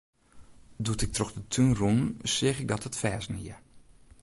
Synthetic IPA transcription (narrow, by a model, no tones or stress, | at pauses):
dutɪk̚troxdətʰynrunsɪəxɪɡ̚dɔtətfɛːsniə